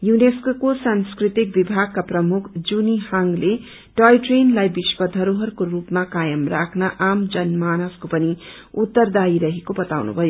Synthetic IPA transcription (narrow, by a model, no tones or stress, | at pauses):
juneskokosanskrit̪ik̚bibʱaɡ̚kaprʌmukʰd͡zunihaŋɡle | ʈʌjʈrenlajbiswʌd̪ʱʌɾoɦʌrkorupmakajʌmrakʰnaʔamd͡zʌnmanʌskopʌni | ut̪ːʌrd̪aiɾʌɦekobʌt̪awnṵbʱʌjo